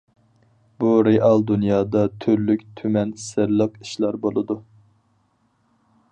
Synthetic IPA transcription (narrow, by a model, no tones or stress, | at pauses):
buɾeʔɑlˠd̪unjɑːd̪ɑt̪ʰyɾlykʲt̪ʰymɛnsɪɾlˠɑpiʃlˠɑɾbolˠɨd̪u